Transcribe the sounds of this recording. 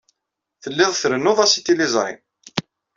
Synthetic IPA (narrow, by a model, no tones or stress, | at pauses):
θəlːɪðˤθɾənːʊðˤæsit̪ːilɪzˤɾˤɪ̰m